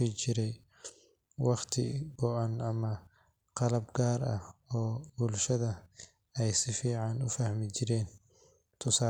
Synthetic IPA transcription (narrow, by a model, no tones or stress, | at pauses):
it͡ʃɪɾɛj | wɑχt̪ʰɪ̰bɔʔɐnɐmɐ | qɑlɐbɡaːɾɐ̰hɔːbʊlʃɐðɐ | ɛjsɪfiːʕɑnʊfɐhmɪt͡ʃɪɾɛːn | t̪ʰʊsaː